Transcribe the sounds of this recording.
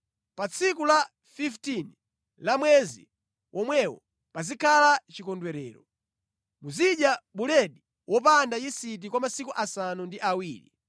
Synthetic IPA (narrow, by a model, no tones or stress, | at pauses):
pat͡sʰikula | fiftin | lamwɛzḭ | wʔɔmwɛwɔ̰ | pazikʰalat͡ʃikɔndwɛɾɛ̰ːɾɔ | muziɗjaɓulɛɗi | wʔɔp̬andajisit̬ikwamasikuʔasanundiʔawiːlḭ